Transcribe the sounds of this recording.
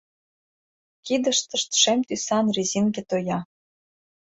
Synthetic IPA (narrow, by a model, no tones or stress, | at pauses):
kid̪ə̆ʃt̪ɤ̆ʃt̪ʃemt̪ysɑnrezʲinɡĕt̪ojɑ